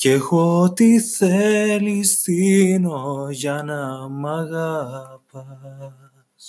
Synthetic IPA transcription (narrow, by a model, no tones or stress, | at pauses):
kexot̪iselistinojanamaɣapa | s